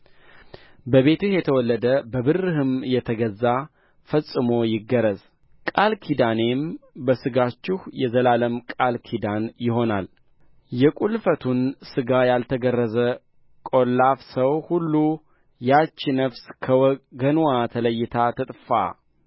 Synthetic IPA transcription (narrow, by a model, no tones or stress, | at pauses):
bəβe̞t̪uhjɛt̪ʰəwɔlːəd̪əbəβɨrːɨɦɨmjɛt̪ʰəɡəzːa | fəsʼɨmo̞jɪɡːəɾəz | kʼalkʰid̪ane̞mbəsɨɡat͡ʃːɪhjɛzəlaləmkʼalkʰid̪anjɪɦo̞nal | jɛkʼulfət̪ʰunsɨɡajalt̪ʰəɡərːəzə | kʼo̞lːafsəwhulːu | jat͡ʃːɪnəfskʰəɡənuat̪ʰələjːɪt̪ʰat̪ʰɨt̪ʼfa̰